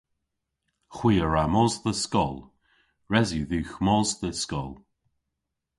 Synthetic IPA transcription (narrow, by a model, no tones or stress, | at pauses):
xwiːəɹamɔzðəskɔlˠ | ɹɛzuðʉːxmɔzðəskɔ̰lˠ